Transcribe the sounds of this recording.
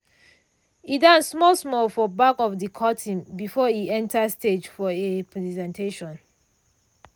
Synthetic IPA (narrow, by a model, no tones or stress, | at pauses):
idãnsmɔlsmɔlfɔbakɔfdikʰɔtʰĩnbifɔiɛ̃ntʰəsted͡ʒfɔepʰɹɛzɛ̃ntʰeʃɔ̃n